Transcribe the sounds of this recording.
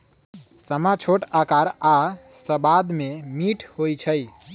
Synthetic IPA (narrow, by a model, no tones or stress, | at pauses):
səmat͡ʃʰoʈakaɾasəbad̪memiʈʰhojt͡ʃʰəj